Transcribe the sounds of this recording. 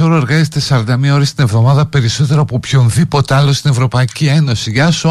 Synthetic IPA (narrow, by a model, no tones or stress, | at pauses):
o̞ɾoe̞ɾɣɐzet̪esɐɾɐnd̪ɐmiɐo̞ɾist̪inevðo̞mɐðɐpe̞ɾiso̞t̪e̞ɾoːpopço̞nðipo̞t̪eɐlost̪ine̞vɾo̞pɐicie̞no̞siʝɐs